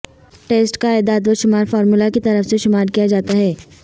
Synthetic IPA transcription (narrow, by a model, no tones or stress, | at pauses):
ʈeːsʈkaɛːd̪aːd̪ʋəʃʊmaːɾfɔːɾmulakit̪ɐɾəfseʃʊmaːɾkijad͡ʒaːt̪aɦɛː